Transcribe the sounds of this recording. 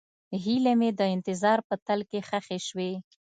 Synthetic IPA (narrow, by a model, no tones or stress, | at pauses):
ɦilemed̪əɪnt̪ɪzɑɾpət̪alkexaxeʃwe